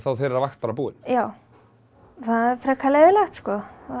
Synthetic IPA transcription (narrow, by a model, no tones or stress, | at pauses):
θawθeɾɛɾavaxt̪̚paːɾabuːɪnjaːw | θaðɛfɾakʰalɛðɪlaxt̪skɔa